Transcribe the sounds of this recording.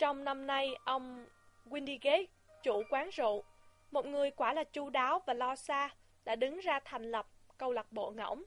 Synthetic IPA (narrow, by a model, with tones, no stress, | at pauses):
t͡ɕɔ˧wŋ͡mna˧mna˧jʔə˧wŋ͡mɣwi˧nɗi˧ɣe˨˦ | t͡ɕu˧˩kwaː˨˦ŋzṵ˧˨ | mo˨˩t̚ŋɨ˨˩əjkwaː˧˩laː˨˩t͡ɕu˧˦ɗaː˨˦wvaː˨˩lɔ˧saː˧ | la̰ː˧˥ɗɨ˨˦ŋzaː˧t̪ʰa˨˩jŋ̟lə˨˩p̚kə˧wla˨˩k̚ɓo̰˧˨ŋə̰˧˩wŋ͡m